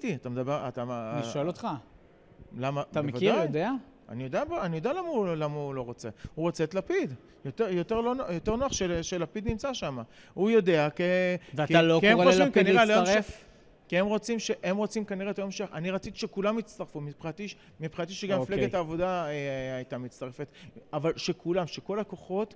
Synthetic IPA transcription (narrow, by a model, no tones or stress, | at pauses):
tiat̪amed̪abeʁa̰t̪aʃoelot̪χa | lamat̪aeevidajjd̪ea | a̰nijo̞d̪eabanijodealamaulamaulo̞ʁo̞t͡se̞huʁo̞t͡set̪lapid̪ | jot̪ejo̞t̪eʁlonojot̪e̞ʁnoaχʃeʃelapid̪nimt͡saʃama | ujo̞de̞akeveaklokiemoimaniʁeloʁef | kiemʁo̞t͡simʃeʔemʁo̞t͡simkaniʁetlomʃeχaniʁat͡sit̪i̥ʃekulamit͡st̪aʁfumipʁat̪iʃ | mipʁat̪̬iʃeɡamifleɡetaːvo̞daeajtamit͡st̪aʁefet̪avalʃe̞kʰulamʃeko̞lako̞χo̞t